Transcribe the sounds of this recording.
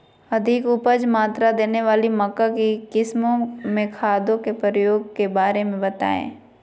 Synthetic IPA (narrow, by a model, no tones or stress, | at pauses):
ɐd̪ʱɪkʊpəd͡ʒmaːt̪ɾad̪eːneʋaːlimɐkːakikɪsmõmẽkʰaːd̪õkepɾəɾəjoːɡkebaːɾemẽbət̪a̰ːḛ̃ː